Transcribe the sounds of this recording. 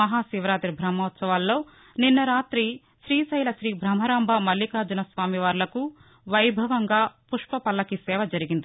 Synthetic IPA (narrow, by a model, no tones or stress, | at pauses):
ɐɦaːsiʋɐɾaːt̪ɾibʱɾɐmːɐːɐt̪sɐʋaːlːo̞ː | ninːɐɾaːt̪ɾi | ʃɾiːsɐjlɐʃɾiːbʱɾɐm̤ɐɾaːmbʱɐmɐlːikaːd͡ʒɐnɐsʋaːmiʋaːɾlɐku | ʋɐjbʱɐʋɐŋɡaːpuʂpɐpɐlːɐkisɛːʋɐd͡ʒɐɾiɡind̪i